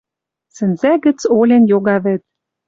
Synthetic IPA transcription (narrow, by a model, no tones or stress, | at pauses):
sɘ̆nzæɡɘ̆t͡solʲĕnjoɣɑβɘ̆t̪̚